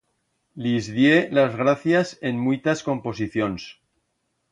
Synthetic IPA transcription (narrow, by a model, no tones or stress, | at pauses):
lizðjelazɣɾaθjase̞nmujt̪asko̞mpo̞s̬iθjo̞ns